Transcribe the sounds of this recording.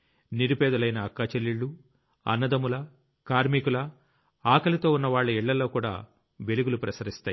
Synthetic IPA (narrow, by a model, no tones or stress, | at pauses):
niɾubɛːd̪ɐlɐjnɐːkːaːt͡ʃelːiɭːu | ɐ̰nːɐd̪ɐmulɐ | kaːɾmikulɐ | aːkɐlɐt̪o̞ːunːɐʋaːɭːɐiɭːɐlːo̞ːkuːɽa̰ː | ʋeluɡulupɾɐsɐɾist̪aːji